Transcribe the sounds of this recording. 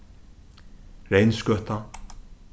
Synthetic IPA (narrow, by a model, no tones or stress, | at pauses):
ɾejnskœt̪a